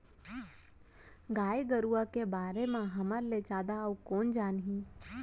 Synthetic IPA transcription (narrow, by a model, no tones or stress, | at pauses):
ɡaːeɡəɾuakebaːɾemãɦɐməɾlet͡ʃaːd̪aukɔːnd͡ʒaːnɦĩː